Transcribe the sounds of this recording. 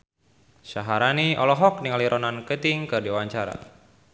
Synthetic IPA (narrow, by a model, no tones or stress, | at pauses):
saɦaɾaniʔɔlɔɦɔk̚niŋaliɾɔnankət̪iŋkɨrdiwaɲt͡ʃaɾa̰